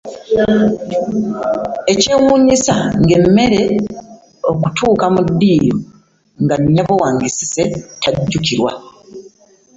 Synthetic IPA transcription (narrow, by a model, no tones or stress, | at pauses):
e̞cewuːɲisaŋɡe̞mːe̞ɾe̞ | o̞ku̥tʰuːkamudːiːjo | ŋɡaɲːaβowaːŋɡisi̥se̞tʰaɟːukiɾwa̰